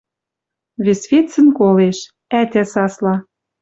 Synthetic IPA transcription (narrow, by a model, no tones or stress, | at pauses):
βesβʲet̪t͡sə̆nkoleʃ | æt̪ʲæsɑslɑ